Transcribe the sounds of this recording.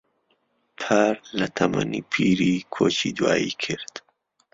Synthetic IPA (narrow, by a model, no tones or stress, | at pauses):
pʰaɾlɐt̪ʰɐma̰niːpʰiːɾikʰoːt͡ʃiːd̪waːjikʰɨɾd̪